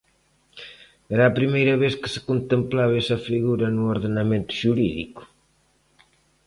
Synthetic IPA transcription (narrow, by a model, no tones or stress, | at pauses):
ɛɾɐːpɾimejɾɐβeskɪ̥sɪ̥kont̪emplaβɛsɐfiɣuɾɐnuoɾðenɐmẽnt̪ʊ̥ʃuɾiðḭkʊ̥